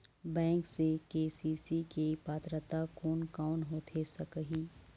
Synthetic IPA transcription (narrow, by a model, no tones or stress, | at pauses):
bɛ̃ːŋksekeːsiːsikepaːt̪ɾət̪akoːnkaːnɦoːt̪ʰesəkəɦiː